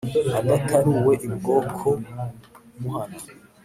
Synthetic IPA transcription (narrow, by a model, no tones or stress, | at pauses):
aɡatʰaɾuwe̞ʔibɡo̞ːkʰo | muhana